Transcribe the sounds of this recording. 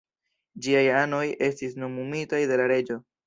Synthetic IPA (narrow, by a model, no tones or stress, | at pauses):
d͡ʒiajano̞je̞stis̬no̞mumitajde̞laɾe̞d͡ʒo̞